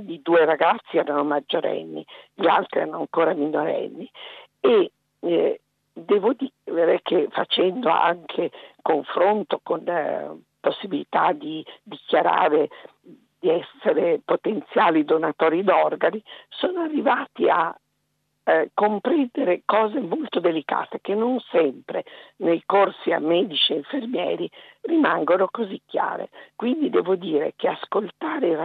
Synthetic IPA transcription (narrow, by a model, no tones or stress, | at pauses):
id̪uːeɾaɡat̪sːiɛːɾanomad͡ʒːoɾɛ̰nːḭʎia̰lt̪ɾiɛ̰ɾanoaŋkoːɾaminoɾɛ̰nːi | e | d̪ɛːvod̪iveɾɛkʰefa̰t͡ʃɛnd̪oa̰ŋkʰekoɱfɾont̪okon | posːibilit̪a̰d̪id̪ikjaɾa̰ːɾe | d̪̥iɛsːeɾepot̪ent̪sjaːlid̪onat̪ɔːɾid̪ɔrɡanisoːnoarːivaːt̪ia̰ | kːompɾɛnd̪eɾekɔːzemolt̪od̪elika̰ːt̪ekenːonsɛmpɾenejkorsia̰mːɛːd̪it͡ʃieiɱfermjɛ̰ːɾirimaŋɡonokozikːja̰ːɾḛkwind̪id̪ɛːvod̪iːɾḛkeaskolt̪aːɾe